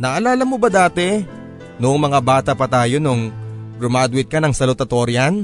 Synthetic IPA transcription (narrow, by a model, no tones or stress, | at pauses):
nɐʔɐlaːlɐmobɐd̪aːt̪ɛ | nʊʔʊŋmɐŋabaːt̪ɐpɐt̪aːjo̞nʊŋpɾʊmad̪wɪt̪̚kɐnɐŋsɐlʊt̪ɐt̪o̞ɾjɐn